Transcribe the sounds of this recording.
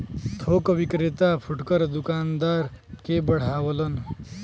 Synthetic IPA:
t̪ʰoːkʋikɾet̪apʰuʈkəɾd̪ukaːnd̪aɾ | kebəɽ̤aːwələn

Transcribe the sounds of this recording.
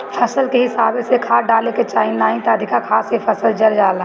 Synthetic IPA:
pʰɐsəlkeɦɪsaːbesekʰaːɖaːleket͡ʃaːnːaːĩt̪aɐd̪ʱɪkakʰaːsepʰəsəld͡ʒɐɾd͡ʒaːla

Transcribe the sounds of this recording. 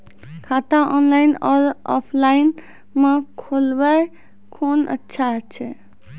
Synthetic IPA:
kʰat̪aʔɔnlajnɔːɾɔpʰlaɪn | mekʰolbɛ | kʰonə̰tːʃʰaɦət͡ʃʰɛ

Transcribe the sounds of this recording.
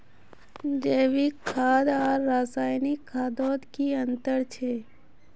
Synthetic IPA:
d͡ʒeːʋikʰːaːd̪aːɾːaːsaːjnikʰːaːd̪ɔːd̪kiə̃nt̪əɾt͡ʃʰeː

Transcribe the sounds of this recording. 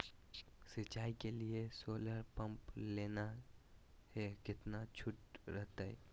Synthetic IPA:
sɪt͡ʃaːikeliesoːləɾpə̃mpleːna | hekɪt̪nat͡ʃʰʊʈɾəɦt̪aɦɛ̰

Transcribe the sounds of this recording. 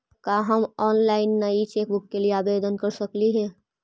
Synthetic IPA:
kaɦəmɔːnlaɪnːəit͡ʃek̚bʊkːelieabed̪ənkəɾsəkliɦɛ

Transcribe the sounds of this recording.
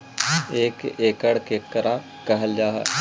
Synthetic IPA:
eːkeːkəɽkekːəɾã | kɐɦəld͡ʒaːɦa̰

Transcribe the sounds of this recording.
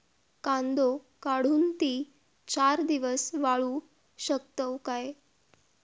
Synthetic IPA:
kãnd̪o | kaɽ̤uːnt̪iː | t͡ɕaɾd̪iʋəsʋaɭu | ɕəkt̪əwkae

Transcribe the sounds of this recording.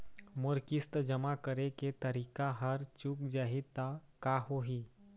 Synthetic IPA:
moɾkist̪əd͡ʒəmakəɾeket̪əɾikaɦəɾt͡ʃuk̚d͡ʑaɦit̪a | kahoɦi

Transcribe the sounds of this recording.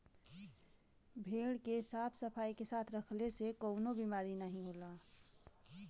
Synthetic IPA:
bʱeɽkesaːpʰsəpʰaːikesaːt̪ʰɾəkʰlesekəʊnobimaːɾinəɦĩɦola

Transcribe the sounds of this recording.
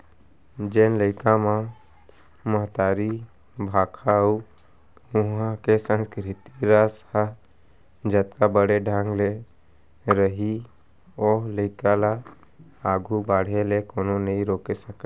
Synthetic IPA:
d͡ʒeːnləɪkãma | məɦt̪aːɾi | bʱaːkʰau | ʊɦãkesə̃nskɾɪt̪iɾasa | d͡ʒət̪kabəɽeɖʱãːŋɡle | ɾəɦi | ɔːɾləɪkala | aːɡʱubaːɽ̤elekoːnonəĩɾoːkesəka

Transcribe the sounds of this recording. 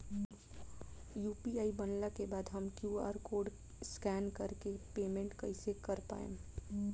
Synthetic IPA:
juːpiaːibənlakebaːd̪ɦəmkjuːa̰ːɾkoːɖ | skɛːnkəɾkepeːmẽɳʈkəɪsekəɾpa̰ːḛ̃

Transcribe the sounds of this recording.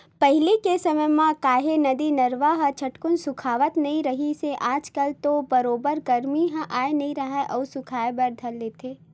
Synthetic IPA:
pəɦɪlikesɐməjmãkaːɦenɐd̪inɐɾʋaɦət͡ʃʰɐʈkʊnsʊkʰaːʋət̪nɐɦĩɾɐɦiseʔaːd͡ʒkəlt̪obɐɾoːbəɾɡɐɾmiɦãʔaːenɐɦĩɾɐɦɛʔɔːsʊkʰaːebɐɾd̪ʱəleːt̪ʰeː

